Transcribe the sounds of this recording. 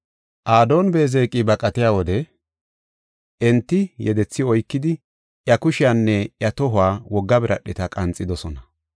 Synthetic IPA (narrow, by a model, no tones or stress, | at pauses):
ʔaːd̪o̞ːnbe̞ːzeːkʼːɪbɐkʼɐt̪ɪjaːwɔd̪ɛ | ʔɛnt̪ːɪjɛd̪ɛt͡sːɪɔjkːɪd̪ɪ | ʔjɐkʊʃɪjanːɛjɐt̪ɔɦʊaːwɔɡːɐbɪɾɐɗːɪt̪ɐkʼɐnt͡sʼːɪd̪ɔsɔnɐ